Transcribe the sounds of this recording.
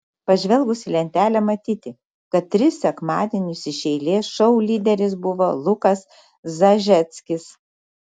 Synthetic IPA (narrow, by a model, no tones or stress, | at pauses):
pɐʒʲʋʲɛlˠɡʊsʲɪlʲɛnʲt̪ʲæːlʲɛmɐt̪ʲiːt̪ʲɪ | kɐt̪̚tːʲɾʲɪsʲsʲɛkmɑːd̪ʲeːnʲʊsɪʃʲɛɪlʲeːsʃɔʊlʲiːd̪ʲɛɾʲɪs̬bʊʋolˠʊkɐs | zɐʒʲɛt̪sʲkʲɪs